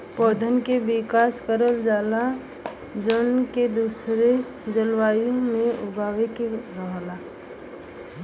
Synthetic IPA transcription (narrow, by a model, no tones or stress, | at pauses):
pɔːd̪ʱənkebɪkaːskəɾəld͡ʒaːla | d͡ʒənked̪uːsɾe | d͡ʒəlwaːjõmẽʔʊbʱaːwekeɾəɦlaː